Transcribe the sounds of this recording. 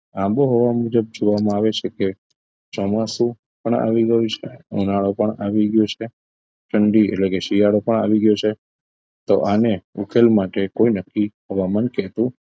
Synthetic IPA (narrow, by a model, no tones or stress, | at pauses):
ãmboɦɔʋamud͡ʒəb̚d͡ʒoʋamãaʋet͡ʃʰeke | t͡ʃɔmasũ | pəɳa̰ʋiɡəjũt͡ʃʰeṵnaɭopəɳaʋiɡjot͡ʃʰe | ʈʰəɳɖiḛʈlekeʃijaɽopəɳa̰ʋiɡjot͡ʃʰe | t̪oʔaneukʰelmaʈekojnəkːiɦəʋamənkɛt̪ũ